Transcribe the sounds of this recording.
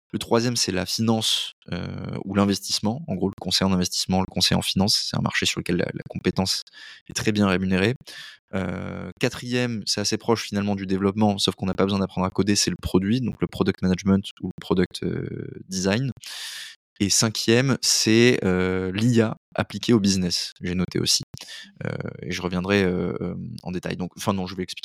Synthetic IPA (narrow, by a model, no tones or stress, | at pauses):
lət̪χwazjɛmsɛla̰finɑ̃sø̰ulɛ̃vɛst̪i̥smɑ̃ɑ̰̃ɡʁoləkɔ̃sɛjɑ̃d̪ɛ̃vɛst̪i̥smɑ̃ləkɔ̃sɛjɑ̰̃finɑ̃sːɛ̥t̪ɛ̰̃mʔa̰ʁʃesyʁləkʲɛlːa̰la̰kɔ̃pet̪ɑ̃sɛt̪χɛbjɛ̃ʁemyneʁeø̰kat̪χijɛmsɛt̪asepχɔʃfinalmɑ̃d̪yd̪evlɔpmɑ̃sɔfkɔ̃napabəzw̃ɛ̃d̪apχɑ̃d̪ʁakod̪esɛləpχɔd̪ɥid̪ɔ̃kləpχɔd̪œk̚t̪manaʒmɛ̃nt̪uləpχɔd̪œk̚t̪ø̰d̪izajn | esɛ̃kʲjɛmsɛølia | a̰plikʲeobiznɛsʒenɔt̪ʰḛo̰si̥ø̰ḛʒəʁəvjɛ̃d̪ʁɛøɑ̰̃d̪et̪a̰jd̪ɔ̃kɑ̃fɛ̃nɔ̃ʒəveɛksplik